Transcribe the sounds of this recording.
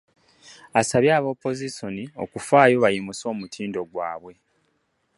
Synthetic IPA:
asaβjaːβo̞ːpːo̞ziso̞nio̞̰kufaːjo̞βajimuso̞ːmutʰiːndo̞ɡwaːβwe̞

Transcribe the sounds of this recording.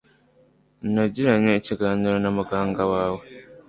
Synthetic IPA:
n̩naɟiɾaɲeːciɡaːɲiɾonamuɡaːŋɡawaːwo

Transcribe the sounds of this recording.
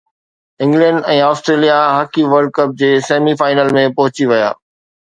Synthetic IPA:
ɪ̃ŋɡlɛ̃ɳɖɛ̃ːaːsʈɾeːlijaɦaːkiʋɐɾɖ̚kɐp̚d͡ʑeːseːmifaːɪnəlmẽpɐɦʊt͡ɕiʋɐja̰ː

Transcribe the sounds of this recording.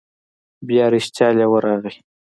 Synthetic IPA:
bjɑɾiʃt͡ʃ̪jɑlewəɾɑɣi

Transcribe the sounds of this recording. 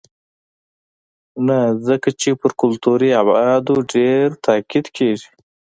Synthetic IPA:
nazəkat͡ʃepəɾkʊlt̪uɾiabɑd̪uɖeɾt̪ʰaːkid̪kʰeʒi

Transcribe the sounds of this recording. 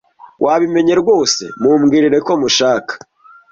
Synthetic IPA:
wʔaβime̞ɲe̞ɾɡo̞ːse̞̰mumɡiːɾiɾe̞ko̞muʃaːkḁ

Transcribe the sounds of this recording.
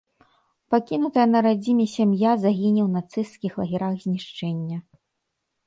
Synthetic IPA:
pakʲinut̪ɐjɐnɐɾad͡zʲimʲɛsʲamjazaɣʲinʲiwnat̪sɨskʲixlˠɐɣʲiɾaɣzʲnʲiʂt͡ʂɛnʲːɐ

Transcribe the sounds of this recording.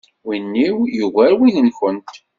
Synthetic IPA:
winːiwjuɣæɾwinəmfənt̪

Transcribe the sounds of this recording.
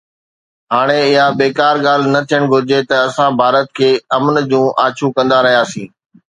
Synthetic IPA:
ɦaːɽ̃eɪɦabeːkaːɾɠaːl̤nɐt̪ʰijəɽ̃ɡʱʊɾɪd͡ʑet̪ɐɐsãbʱaːɾət̪̚kʰeːɐmnd͡ʑũːʔaːt͡ɕʰũkɐ̃nd̪aɾɐɦijaːsĩː

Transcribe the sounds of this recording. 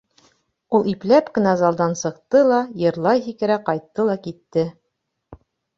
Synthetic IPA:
ulˠiplæpkɘ̆næzɑlˠd̪ɑnsɤ̆qt̪ɤlˠɑjɤ̆ɾlˠɑjɦikɘ̆ɾæqɑjt̪ːɤlˠɑkit̪ːɘ

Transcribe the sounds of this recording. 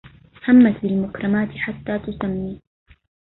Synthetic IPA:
hamːat̪bɪlmʊkɾˤɑmaːt̪ɪħat̪ːaːt̪ʊsamːiː

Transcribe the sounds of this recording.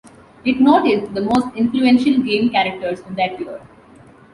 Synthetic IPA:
ɪʈnoːʈɪsd̪əmoːsʈɪ̃nfluɛ̃nʃəlɡẽːmkæɾək̚ʈəɾzɪ̃nd̪æʈ̚ʋiəɖ

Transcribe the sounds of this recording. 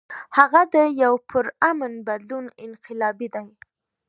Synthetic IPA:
haɣad̪əjawpʰəɾamənbad̪lunɪnqɪlɑbid̪aj

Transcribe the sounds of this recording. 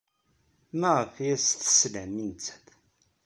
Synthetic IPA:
mæʁəfijæsθə̥slæmːint͡sːæ̥θ

